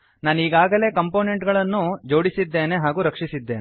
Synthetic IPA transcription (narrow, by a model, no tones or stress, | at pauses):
naːniːɡaːɡɐle̞ːkɐmpo̞ːneɳʈɡɐɭɐnːud͡ʒo̞ːɽisid̪ːe̞ːne̞ɦaːɡuːɾɐkʂisid̪ːeːne